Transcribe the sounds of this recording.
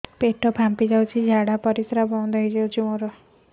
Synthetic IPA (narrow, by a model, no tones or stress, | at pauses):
peʈɔbʱampid͡ʒawt͡ʃʰid͡ʒʱaɽapɔɾisɾabɔnd̪ʱaɦid͡ʒawt͡ʃʰimoɾɔ